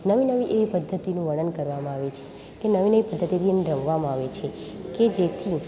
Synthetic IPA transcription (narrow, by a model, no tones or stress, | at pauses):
nəʋinəʋiʔeʋipəd̪ʱːət̪inũʋəɽ̃ənkəɾʋamãaʋet͡ʃʰe̥ | kenəʋinəʋipəd̪ʱːət̪id̪ineɾəʋʋamãaʋet͡ʃʰeked͡ʒet̪ʰi